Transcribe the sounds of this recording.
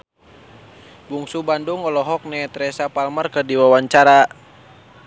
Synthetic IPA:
buŋsubanduŋɔlɔɦɔk̚nɛt̪ɾɛsapalmərkərdiwawaɲt͡ʃaɾa

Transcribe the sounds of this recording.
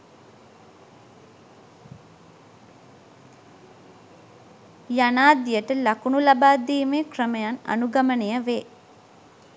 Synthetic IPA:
janaːd̪ijəʈəlakunulabaːd̪iːmeːkrəməjana̰nuɡamənejəʋeː

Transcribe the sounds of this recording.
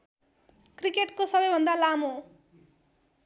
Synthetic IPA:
krikeʈkosʌbʌjbʱʌnd̪alamo

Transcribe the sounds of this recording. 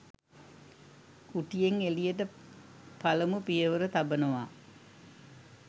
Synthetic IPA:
kuʈijeŋelijəʈə | paləmupijəʋəɾət̪abənuʋaː

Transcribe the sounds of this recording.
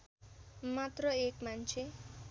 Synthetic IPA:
mat̪rʌekmant͡sʰe

